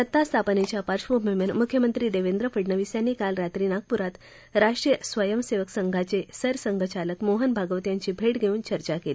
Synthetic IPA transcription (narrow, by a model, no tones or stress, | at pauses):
sət̪ːast̪ʰapənet͡ɕjapaɾʂʋomemənmukʰjəmənt̪ɾiːd̪eʋend̪ɾəfəɖnəʋisjanːiːkalɾat̪ɾiːnak̚puɾat̪ | ɾaʂʈɾijəsʋəjəmseʋəksəŋɡʱat͡sesəɾsəŋɡʱət͡ɕaləkmoɦənbʱaɡəʋt̪jaɲt͡ɕiːbʱeʈɡʱeuːnt͡ɕəɾt͡ɕakeli